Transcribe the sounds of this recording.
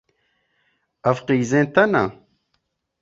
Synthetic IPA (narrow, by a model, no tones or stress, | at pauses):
ɐfqiːzẽːt̪ɐna̰